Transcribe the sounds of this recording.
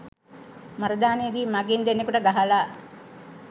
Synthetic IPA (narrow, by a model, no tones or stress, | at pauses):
mɐɾɐd̪aːnejed̪iːmaɡind̪enːekuʈəɡaɦalaː